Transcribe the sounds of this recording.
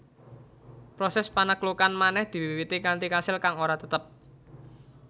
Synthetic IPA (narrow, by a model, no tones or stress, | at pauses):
pɾosɛspanəklukanmanɛhd̪̥i̤wiwiwit̪ikant̪ikasɪlkaŋoɾat̪ət̪əp̚